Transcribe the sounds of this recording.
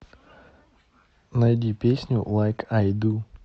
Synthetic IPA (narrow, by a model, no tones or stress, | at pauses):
najd̪ʲipʲesʲnʲulˠajkʰajd̪u